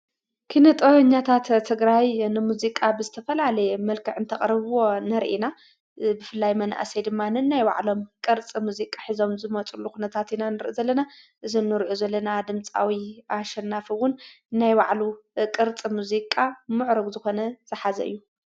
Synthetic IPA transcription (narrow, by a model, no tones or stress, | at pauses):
kʰinɐt̪ʼoɲːat̪ʰat̪t̪ʰːɨɡɾajnɨmuzikʼabɨzɨt̪ʰɐfɐlalɐjɛmɐlkʰɨʕɨnt̪ʰɐχʼɾɐβwo̞nɐɾʔina | bɨfɨlːajmɐnʔa̰sed̪ɨmːanɨnːajwa̰ʕlo̞mkʼɨɾt͡sʼimuzikʼaħizo̞mzɨmɐt͡sʼulːukunɐt̪ʰat̪inanɨɾʔizɐlːɐna | ʔɨzinːɨɾʔuzɐlːɐnad̪ɨmt͡sʼa̰wiʔaʃɐnːafɨwʊn | nːajwaʕlukʼɨɾt͡sʼimuzikʼamɨʕɾɐɡzɨxo̞nɐz̥ɨħazɐ̰ʔɨ̰jːu